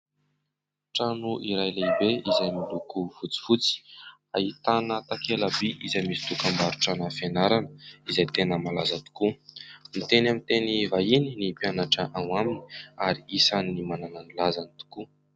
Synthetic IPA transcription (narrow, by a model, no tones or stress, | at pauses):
ʈ͡ʂanuʔiɾajlaibeizajmilukuv̥ut͡si̥fut͡si̥ | a̰it̪anət̪akʰelabiʔizajmisi̥t̪ukambaɾuʈ͡ʂanəfenaɾanəizajt̪enəmalazət̪u̥kumit̪enamint̪enivajininipjanaʈ͡ʂəʔanaminiaɾiisaninimanananilazanit̪u̥ku